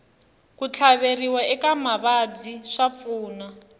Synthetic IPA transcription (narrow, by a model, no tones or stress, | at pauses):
kut͡ɬʰaβeriwaɛkamaβabiʂap̪fuːna